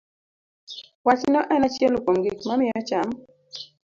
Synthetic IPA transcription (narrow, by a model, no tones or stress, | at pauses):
wat͡ʃnɔʔɛnat͡ʃɛlokomɡikmamɪat͡ʃam